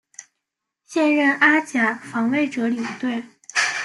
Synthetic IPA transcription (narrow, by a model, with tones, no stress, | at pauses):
ɕjɛ˥˧nɻə˥˩nʔa˥t͡ɕja˨˩fɑ˧˥ŋwe˥˩ɪʈ͡ʂɤ˧˥li˨˩ŋt̪we˥˩ɪ